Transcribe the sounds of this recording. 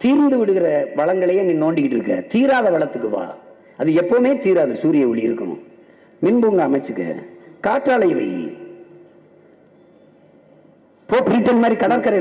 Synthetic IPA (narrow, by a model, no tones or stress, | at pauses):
t̪iːɾnd̪ɯʋɪɽɯɣɪɾɐʋɐɭɐŋɡɐɭɐjŋɡenoːɳɖɪkːɪʈːɪɾɯkːɐ̰t̪iːɾaːðɐʋɐɭɐt̪ːɯkːɯʋa̰ː | ɐðɯɛpːomeːt̪iːɾaːðɯsuːɾɪjɐʊɭːɪjɪɾɯkːɐnʊ̰̃ | mɪnbuːŋɡɐːmɐɪt͡ʃːɯkːɐ̰kaːʈːaːɭɐɪʋɐ̰ɪ̰ | poːpɪɾɪʈːɐnmaːd̪ɾikɐɽɐɾkɐɾɐɪ